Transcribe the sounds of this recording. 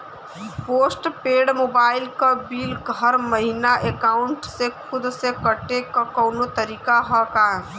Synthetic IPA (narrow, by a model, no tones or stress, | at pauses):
poːsʈpeːɖmoːbaːɪlkabiːlɡɦəɾməɦinaʔekaːʊɳʈsekʰʊd̪sekəʈekakɔːnot̪əɾiːkaɦɔkaː